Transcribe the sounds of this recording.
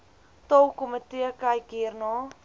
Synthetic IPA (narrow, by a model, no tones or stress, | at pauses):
t̪owkomət̪iəkajkirnɔː